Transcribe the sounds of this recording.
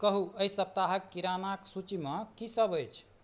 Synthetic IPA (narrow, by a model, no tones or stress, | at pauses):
kəɦuəisəp̚t̪aɦəkːiɾanaksut͡ʃiməkisəbəjt͡ʃʰ